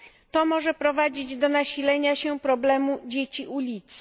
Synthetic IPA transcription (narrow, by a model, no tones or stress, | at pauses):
t̪ɔmɔʐɛpɾɔvad͡ʑid͡ʑd̪ɔnaɕilɛɲaɕɛpɾɔblɛmud͡ʑet͡ɕiʔulʲit̪s